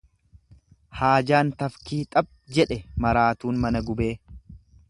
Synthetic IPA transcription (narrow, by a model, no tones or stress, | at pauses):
haːd͡ʒaːnt̪ɐfkiːt̪ʼɐb̚ | d͡ʒɛᶑɛmɐɾaːt̪uːnmɐnɐɡʊbeː